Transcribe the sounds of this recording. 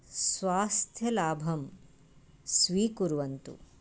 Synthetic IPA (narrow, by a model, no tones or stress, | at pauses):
sʋaːst̪ʰjɐlaːbʱɐm | sʋiːkuɾʋɐnt̪ṵ